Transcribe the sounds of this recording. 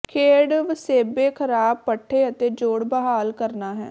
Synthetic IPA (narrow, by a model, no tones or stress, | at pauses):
kʰeːɽʋseːbeːkʰəɾaːb̚pəʈʰːeːət̪eːd͡ʒoːɽbəɦaːlkəɾnaːɦɛ̰ː